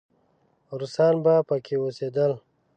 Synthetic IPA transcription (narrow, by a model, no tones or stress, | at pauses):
ɾusaːnbapəkʰewoseːd̪əl